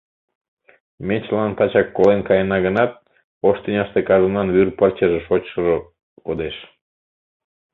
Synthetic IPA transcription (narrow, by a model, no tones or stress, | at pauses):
met͡ɕlɑnt̪ɑt͡ɕɑkːolenkɑjənɑɣənɑt̪̚ | oʃt̪inʲɑʃt̪ekɑʒənɑnβyrport͡ɕeʒeʃot͡ɕʃəʒo | kod̪eʃ